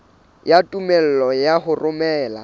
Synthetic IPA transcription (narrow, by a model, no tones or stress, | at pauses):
jatʼumɛl̩lɔjahʊrʊmɛːla̰